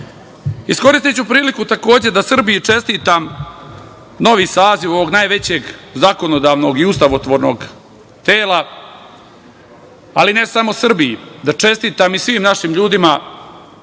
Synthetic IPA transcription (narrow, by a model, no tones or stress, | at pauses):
isko̞ɾist̪it͡ɕupɾiːlikut̪ako̞ːd͡ʑe̞d̪asr̩bijit͡ʂe̞st̪iːt̪am | no̞ʋiːsaːziʋo̞ʋo̞ɡnajʋe̞t͡ɕe̞ːɡzako̞nod̪aːʋno̞ɡiust̪aʋot̪ʋo̞ːɾno̞ːɡ | t̪eːla | aline̞samo̞sr̩bijid̪at͡ʂe̞st̪iːt̪amisʋiːmnaʃiːmʎuːd̪ima